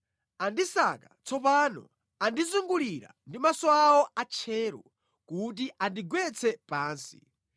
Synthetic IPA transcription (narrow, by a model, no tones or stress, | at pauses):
andisakat͡sʰɔpaːnɔ̰ | andizuŋɡuliɾa̰ndimasɔawɔʔat͡ʃʰɛːɾɔ̰ | kut̬iʔandiɡwɛt͡sʰɛpaːnsi̥